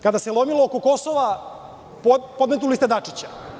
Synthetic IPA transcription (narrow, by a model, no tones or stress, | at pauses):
kad̪aselˠomiloːkoko̞soʋa | ppo̞d̪met̪̬ulist̪ed̪at͡ʂit͡ɕa